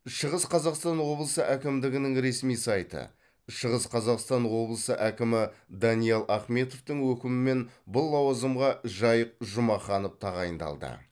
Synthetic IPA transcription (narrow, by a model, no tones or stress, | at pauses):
ʃəʁəsqʰɑzɑqst̪ɑnwo̞blˠəsəʔækʲɪmd̪ɪɡʲɪnɪŋɾe̞smijsɑjt̪ə̰ | ʃəʁəsqʰɑzɑqst̪ɑnwo̞blˠəsəʔækʲɪmɪd̪ɑnijɑlˠʔɑχme̞t̪o̞ft̪əɴwɵkʲɪmɪme̞nbʊlˠːɑwɑzəmʁɑʒɑjəq̚ʒʊmɑχɑnəp̚t̪ʰɑʁɑjənd̪ɑ̰lˠd̪ə̰